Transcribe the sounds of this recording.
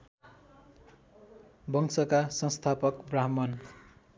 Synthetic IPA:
bʌŋsʌkasʌnst̪ʰapʌkbraɦmʌn

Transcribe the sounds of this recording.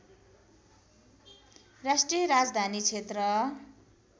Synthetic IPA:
rasʈrijʌɾad͡zd̪ʱanit͡sʰet̪rʌ

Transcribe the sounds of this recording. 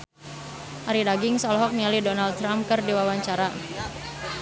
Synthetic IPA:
ʔaɾidaɡɪŋsɔlɔɦɔk̚nialidɔnald̪̚t̪ɾamp̚kɨrdiwawaɲt͡ʃaɾa

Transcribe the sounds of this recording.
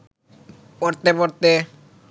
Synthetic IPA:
pɔɾt̪epɔɾt̪e

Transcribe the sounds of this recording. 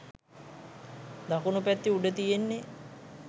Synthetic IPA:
d̪akunupæt̪ːiuɖət̪ijenːe

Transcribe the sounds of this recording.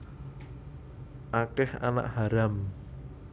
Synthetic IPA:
ʔakɛha̰na̰ʔhaɾam

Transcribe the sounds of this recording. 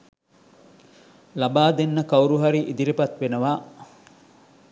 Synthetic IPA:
labaːd̪enːəkauɾuɦɐɾiʔid̪iɾipɐt̪ʋenəʋaː

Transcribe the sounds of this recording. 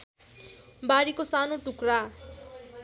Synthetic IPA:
baɾikosanoʈukɾa

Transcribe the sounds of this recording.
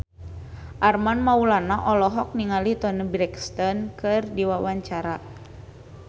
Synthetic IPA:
ʔarmanmaulanaʔɔlɔɦɔk̚niŋalit̪ɔnəbɾɛkst̪ɔnkɨrdiwawaɲt͡ʃaɾa

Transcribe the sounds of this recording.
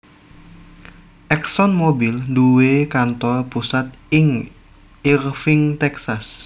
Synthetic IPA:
ʔɛksɔnmobilduwekant̪ɔpusat̪̚ɪŋ | irfɪŋt̪ɛksas

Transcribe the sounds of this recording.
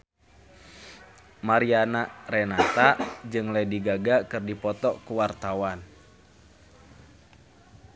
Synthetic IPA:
maɾianarɛnat̪ad͡ʒɨŋlajdiɡaɡakɨrdipɔt̪ɔkuwart̪awan

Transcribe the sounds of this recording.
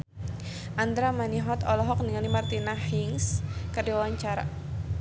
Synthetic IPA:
ʔand̪ɾamaniɦɔt̪ɔlɔɦɔk̚niŋalimart̪inahiŋskərdiwawaɲt͡ʃaɾa̰

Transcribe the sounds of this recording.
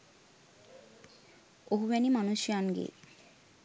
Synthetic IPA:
oɦubɛnimanuʃanɡḛ

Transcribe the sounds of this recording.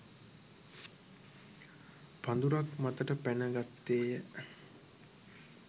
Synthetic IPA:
pand̪uɾakmat̪əʈəpænəɡat̪ːeːjə

